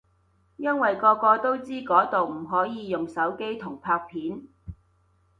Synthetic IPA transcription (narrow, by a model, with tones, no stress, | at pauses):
jɐ˥nwɐ˨jkɔː˧kɔː˧t̪o˥wt͡siː˥kɔː˨˥t̪o˨wm̩˨˩ɦɔː˨˥jiː˨˧jʊ˨ŋsɐ˨˥wke˥jt̪ʰʊ˨˩ŋpʰaː˧k̚pʰiː˨˥n